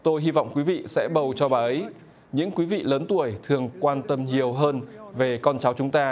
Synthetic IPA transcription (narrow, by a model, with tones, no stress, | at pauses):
t̪o˧jɦi˧va̰˧˨wŋ͡mkwi˨˦vḭ˧˨sɛ̰˧˥ɓə˨˩wt͡ɕɔ˧ɓaː˨˩ʔə˨˦j | ɲɨ̰˧˥ŋkwi˨˦vḭ˧˨ləː˨˦nt̪u˧˩əjt̪ʰɨ˨˩əŋkwaː˧nt̪ə˧mɲi˨˩əwɦəː˧nve˨˩kɔ˧nt͡ɕa˨˦wt͡ɕʊ˨˦ŋ͡mt̪aː˧